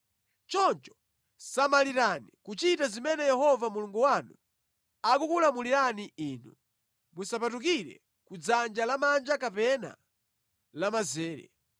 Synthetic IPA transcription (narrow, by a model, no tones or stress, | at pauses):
t͡ʃɔnt͡ʃɔ̥ | samaliɾanikut͡ʃitazimɛnɛjɛɦɔvamuluŋɡuwanṵ | akukulamuliɾaniiːnṵ | musapatuk̬iɾɛ̰ | kud͡zand͡ʒalamand͡ʒakapɛna̰ | lamazɛːɾɛ̰